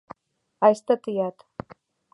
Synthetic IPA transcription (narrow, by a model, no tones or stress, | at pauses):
ajst̪ʰatʰɨjat̪ʰ